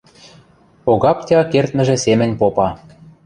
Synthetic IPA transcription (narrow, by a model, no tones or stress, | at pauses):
oɣɑptʲɑkert̪mɘ̆ʒĕsemɘ̆nʲpopɑ